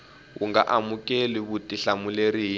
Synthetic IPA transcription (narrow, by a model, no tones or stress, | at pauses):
ɣṵŋɡa̰ʔamukʼeliβutʼiɬamuleɾiɦ